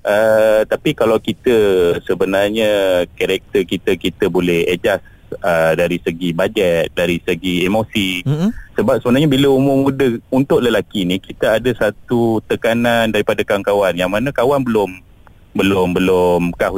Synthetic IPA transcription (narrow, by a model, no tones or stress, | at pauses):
ʔət̪apikalawkit̪əsəbənarɲəkaɾɛk̚t̪əkit̪əkit̪əbolɛhed͡ʒas | ədaɾisəɡibad͡ʒɛt̪̚daɾisəɡiemosisəbap̚səbənarɲabiləumʊrmudəunt̪ʊʔləlakinikit̪əadasat̪ut̪əkanandaɾipadakawaŋkawanjaŋmanakawanbəlʊm | bəlʊmbəlʊmkah